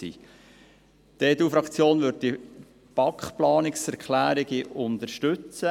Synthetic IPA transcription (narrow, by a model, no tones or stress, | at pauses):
ḭː | d̥eːduːfɾɑkt͡sjoːnʋʏɾd̚d̥i | b̥ɑkχplɑːnɪksɛɾkʰlæːɾiɡiʔʊnd̪əɾʃtʏt͡sə